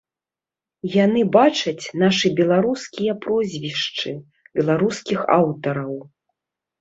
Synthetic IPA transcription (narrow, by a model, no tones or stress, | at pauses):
janɨbat͡ʂɐt͡sʲn̪aʂɨbʲɛlˠaɾuskʲijɐpɾɔzʲvʲiʂt͡ʂɨ | bʲɛlˠaɾuskʲixa̰wt̪ɐɾɐw